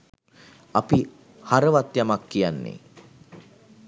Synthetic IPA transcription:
api | haɾəʋat̪jamakːijanːḛ

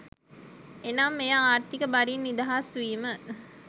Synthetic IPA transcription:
enamːejaaːrt̪ikəbaɾinːid̪aɦasʋiːmə

